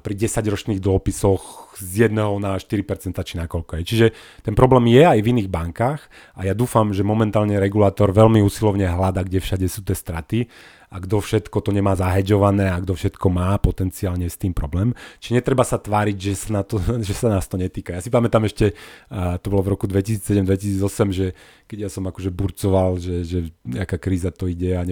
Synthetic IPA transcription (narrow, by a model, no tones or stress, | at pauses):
pɾiɟɛsaɟɾɔt͡ʃniːɣd̪ɔpisɔxzjɛd̪nɛɦɔnaʃt̪iɾipɛɾt͡sɛnt̪at͡ʃinakɔlkɔɦɛjt͡ʃiʒɛt̪ɛnpɾɔblɛːmjɛajviniːɣbaŋkaːx | ajad̪uːfamʒɛmɔmɛnt̪aːlɲɛɾɛɡulaːt̪ɔɾʋɛlmiuːsilɔʊɲɛɦlad̪aɡɟɛfʃaɟɛsuːt̪ɪɛst̪ɾat̪i | aɡd̪ɔfʃɛt̪kɔt̪ɔɲɛmaːzaɦɛd͡ʒɔʋanɛːaɡd̪ɔfʃɛt̪kɔmaːpɔt̪ɛnt͡siaːlɲɛst̪iːmpɾɔblɛːmt͡ʃiʒɛɲɛt̪ɾɛbasat̪ʋaːɾiɟʒɛsanat̪ɔʒɛsanaːst̪ɔɲɛt̪iːkajasipamɛt̪amɛʃcɛt̪ɔbɔlɔvɾɔkud̪ʋɛcisiːt͡ssɛɟɛmd̪ʋɛcisiːd͡zɔsɛmʒɛ | kɛɟjasɔmakɔʒɛbuɾt͡sɔʋalʒɛʒɛakaːkɾiːzat̪ɔiɟɛaɲɛ